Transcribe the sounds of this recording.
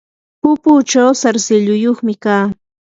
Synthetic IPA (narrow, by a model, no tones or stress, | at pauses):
pʊput͡ʃawsaɾsɪʎʊjoχmɪkaː